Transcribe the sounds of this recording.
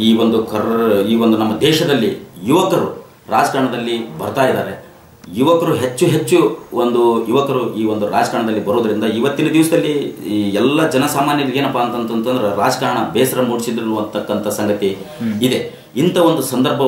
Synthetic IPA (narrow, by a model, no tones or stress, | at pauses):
iːʋond̪ukɐiːʋo̞nd̪unɐmːɐd̪ɛːʃɐd̪ɐlːijuʋɐkɐɾu | ɾaːd͡ʒɐkaːɾɐɳɐd̪ɐlːibɐɾt̪aːjid̪aːɾe | juʋɐkɐɾuɦet͡ʃːuɦe̞t͡ʃːuond̪ujuʋɐkɐɾuiːʋo̞nd̪uɾa̰ːd͡ʒɐkaːɳɐd̪ɐlːibɐɾuːd̪ɐɾind̪ɐiʋɐt̪ːinɐd̪iʋɐsɐd̪ɐlːiɛlːɐd͡ʒɐnɐsaːmaːnjɐliɡeːnɐpːaːnt̪ɐnt̪ɐnt̪ʰːɐnd̪ɐɾeɾaːd͡ʒɐkaːɾɐɳɐbɛːsɐɾɐmuːɽisid̪ɾnuʋɐnt̪ɐkːɐnt̪ʰɐsɐŋɡɐt̪iid̪e̞ | int̪ʰɐʋo̞nd̪usɐnd̪ɐɾbʱɐ